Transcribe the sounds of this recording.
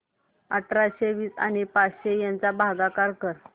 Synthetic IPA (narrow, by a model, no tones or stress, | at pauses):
aʈʰɾaɕeʋiːsa̰ɽ̃ipasɕejant͡sabʱaɡakaɾkəɾ